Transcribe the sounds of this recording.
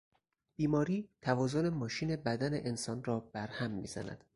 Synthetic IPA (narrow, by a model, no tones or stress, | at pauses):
b̥iːmɒːɾiːt̪ʰævɒːzone̞mɒːʃiːne̞bæd̪æneʔensɒːnrɒːb̥æɾhæmːḭːzæ̰næ̰d̪̥